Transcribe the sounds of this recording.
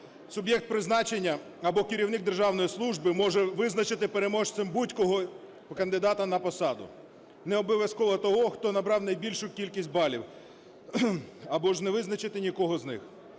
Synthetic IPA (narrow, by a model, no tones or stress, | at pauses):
sʊbjɛk̚t̪̚pɾɪznɑt͡ʃenʲːɐ | ɐbɔkɪɾʲiwnɪɡ̚d̪erʒɑwnɔjislˠuʒbɪmɔʒɛʋɪznɐt͡ʃɪt̪ɪpeɾe̞mɔʃt̪sɛmbutʲkɔɦɔ | kɐnd̪ɪd̪ɑt̪ɐnɐpɔsɑd̪ʊ̰ | nɛɔbɔʋʲjɐskɔʋɔt̪ɔɦɔxt̪ɔnɐbɾɑwnɐjbʲilʲʃʊkʲilʲkʲisʲt̚ʲbɑlʲiw | ɐbɔʒnɛʋɪznɐt͡ʃɪt̪ɪnʲikɔɦɔznɪ̰x